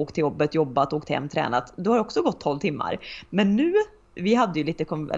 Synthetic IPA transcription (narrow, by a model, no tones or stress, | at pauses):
oːkt̪ʰːɪljɔbːət̪jɔbːat̪oːkt̪hɛ̰mːt̪ʰɾɛ̰ːnat̪d̪ɔhaɾd̪ɛɔksɔɡɔt̪ʰːɔlvt̪ʰɪmːa̰ɾmɛnːʉ̟ː | vɪɦad̪ːəjɵliːt̪əkʰɔɛ̰